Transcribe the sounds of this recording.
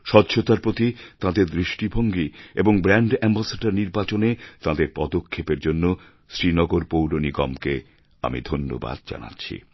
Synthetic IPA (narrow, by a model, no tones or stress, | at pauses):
ʃɔtːɕʰot̪aɾpɾot̪it̪ãd̪eɾd̪ɾiʃʈibʱoŋɡieboŋbɾaɳɖɛmbasaɖaɾniɾbat͡ɕonet̪ãd̪eɾpɔd̪okʰːepeɾd͡ʑonːo | sɾinɔɡoɾpowɾoniɡɔ̰mke | a̰mḭd̪ʱonːo̰ba̰d̪̚d͡ʑa̰na̰tːɕʰḭ